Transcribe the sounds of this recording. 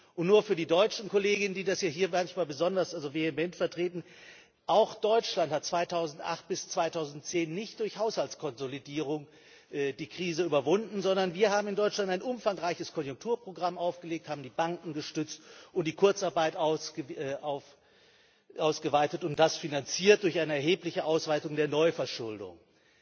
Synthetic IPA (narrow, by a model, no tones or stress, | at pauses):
ʔʊntnuːɐfyːɐdiːdɔʏt͡ʃn̩koleːɡɪnəndiːdasjaːɦiːɐmançmaːlbəzɔndɐsʔalzovehemɛntfɛɐtʁ̥eːtn̩ | ʔaʊxd̥ɔʏt͡ʃlanthat̚t͡sv̥aɪtʰaʊzn̩tʔa̰χt̚b̥ɪst͡sv̥aɪtʰaʊzn̩tt͡seːnːɪçt̚d̥ʊɐçhaʊshaltt͡skʰɔnzolidiːʁ̞ʊŋ | ʔd̥iːkʁ̥iːzəyːbɐvʊndn̩zɔndɐnviːɐɦaːbm̩ɪndɔʏt͡ʃlantaɪnʔʊmfaŋʁaɪçəskʰɔnjʊŋktʰuːɐpʁ̥oɡʁamʔaʊfɡ̥əleːk̚thaːbm̩diːbaŋkŋ̩ɡəʃtʏt͡stʔʊntd̥iːkʰʊɐt͡saɐbaɪtʔaʊsʔaʊf | ʔaʊsɡ̥əvaɪtətʊnt̚d̥asfinant͡siːɐt̚d̥ʊɐçʔaɪnəɛɐɦeːplɪçəʔaʊsv̥aɪtʊŋdeːɐnɔʏfɛɐʃʊldʊ̰ŋ